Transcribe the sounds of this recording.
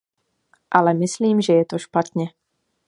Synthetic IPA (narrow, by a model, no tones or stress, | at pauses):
ʔalɛmɪsliːmʒɛjɛt̪oʃpat̪ɲɛ